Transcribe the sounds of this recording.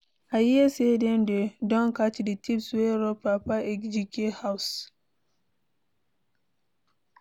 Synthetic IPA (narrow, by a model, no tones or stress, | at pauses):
ʔajiɛsedɛndɛdɔnkat͡ʃːiditipsweɾɔpapaɛkd͡ʒikehaws